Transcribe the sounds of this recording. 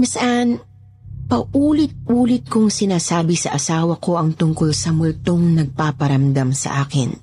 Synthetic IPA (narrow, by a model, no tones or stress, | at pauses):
mɐsɐʔan | pɐʔuːlɪt̪̚ʔuːlɪt̪̚kʊŋsɪnaːsaːbɪsɐʔɐsaːwɐko̞ʔɐŋt̪ʊŋkolsɐmʊlt̪oŋnɐɡ̚papɐɾɐmd̪amsɐ̰ʔaːkɪ̰n